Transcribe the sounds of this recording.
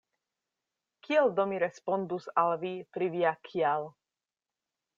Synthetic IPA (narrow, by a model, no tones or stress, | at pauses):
kʰiald̪omiɾespond̪usalvipɾiviakʰial